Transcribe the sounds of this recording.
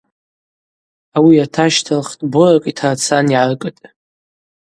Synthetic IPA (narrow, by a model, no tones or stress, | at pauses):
awiatʰaʃtʰalχtʼborakʼitʰart͡sʰaniʕarkʼɨtʼ